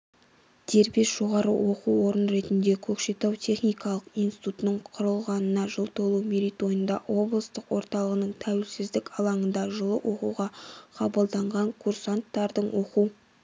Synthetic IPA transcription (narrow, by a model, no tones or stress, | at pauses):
d̪̥e̞ɾbe̞sʒ̥o̞ʁɑɾə̰wo̞quwwo̞ɾənɾe̞t̪ɪnd̪e̞kʲʰɵkʃe̞t̪ɑwt̪ʲʰe̞χnijkɑlˠəqijnsi̥t̪ut̪ənəɴqʰʊɾəlˠʁɑnənɑʒəlˠt̪ʰo̞lˠumeɾijt̪o̞jənd̪ɑwo̞blˠəst̪əqwo̞ɾt̪ɑlˠəʁənəɴt̪ʰæwɪlsɪzd̪ɪkʲɑlˠɑɴənd̪ɑʒəlˠəʔo̞quwʁɑqʰɑbəlˠd̪ɑɴʁɑŋkʰursant̪ːɑɾd̪əɴwo̞qu